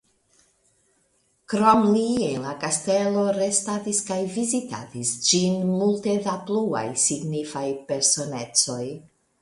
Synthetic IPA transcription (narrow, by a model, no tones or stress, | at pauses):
kɾomlienlakaste̞lo̞ɾe̞stadiskajvizita̰disd͡ʒinmulte̞daplua̰jsiɡnifajpe̞ɾso̞net͡so̞j